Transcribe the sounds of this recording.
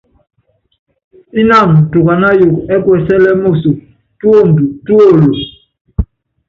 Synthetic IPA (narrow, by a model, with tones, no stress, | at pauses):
i˦na˦˨m̩˨tu˨ka˨na˦ju˨kɛ˦kwɛ˨sɛ˦lɛ˦mo˦˨su˨ | tu˦o˦˨m˨bu˨tu˦o˦˨lo˨